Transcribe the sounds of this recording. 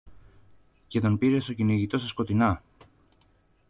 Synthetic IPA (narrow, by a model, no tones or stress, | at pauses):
ce̞t̪o̞npiɾe̞so̞cinoiʝit̪o̞sesko̞t̪inɐ